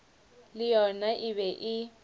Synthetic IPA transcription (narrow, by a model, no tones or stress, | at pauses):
lɪjɔnaʔɪβɛʔɪ